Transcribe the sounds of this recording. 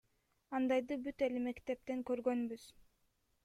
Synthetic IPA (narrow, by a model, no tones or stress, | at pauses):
ɑnd̪ɑjd̪ɯbyt̪elime̞kt̪e̞p̚t̪eŋkøɾɡø̞nbyz̥